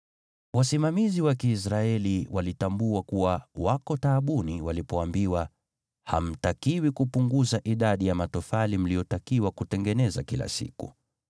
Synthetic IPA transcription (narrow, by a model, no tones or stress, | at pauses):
wasimamiziwakiːs̬ɾaɛliwʔalitambuwakuwawakɔtaːɓuniwalipɔambiwa | ha̰m̩takiwikupuŋɡuzaʔiɗaɗijamatɔfalim̩lijɔtakiwakutɛŋɡɛnɛza̰kila̰sḭkṵ